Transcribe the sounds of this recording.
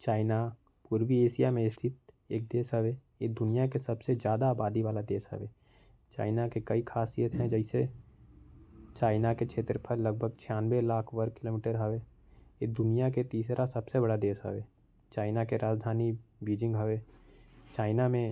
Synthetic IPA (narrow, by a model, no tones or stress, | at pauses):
t͡ʃaːɪna | puːɾwieːʃijamẽɪst̪ʰɪt̪̚ | eːk̚d̪eːsɦəʋe | ed̪ʊnijakesəbsed͡ʒjaːd̪aːbaːd̪iʋaːlad̪eːsɦə̰ʋeː | t͡ʃa̰ːɪnakekəikʰaːsijət̪ɦɛ̃d͡ʒɛɪse | t͡ʃaːɪnaket͡ʃʰeːt̪ɾpʰəɾləɡ̚bʱəɡ̚t͡ʃʰɪaːnʋelaːkʰʋəɾkɪloːmiːʈəɾɦəʋe | ed̪ʊnijaket̪iːsɾasəbsebəɽad̪eːsɦə̰ʋeː | t͡ʃaːɪnakeɾaːd͡ʒd̪ʱaːnibiːd͡ʒɪ̃ŋɡɦəʋeːt͡ʃaːɪnamẽ